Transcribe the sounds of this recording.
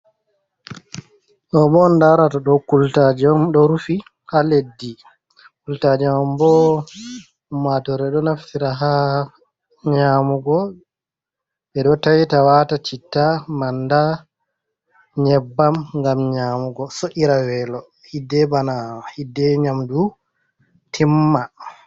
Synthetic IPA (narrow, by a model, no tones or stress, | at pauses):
ʔɔbɔndaɾataɗɔkultad͡ʒɔmɗɔɾufi | haledːi | kultad͡ʒɛmambɔ | matɔɾɛɗɔnaftiɾaɦa | ɲamuɡɔ | ɓɛɗɔtawitawatat͡ʃitːamanda | ɲɛbːamŋɡamɲamuɡɔsoʔiɾawɛlɔ | hidːɛbanawahidːɛɲamdu | tʰimːa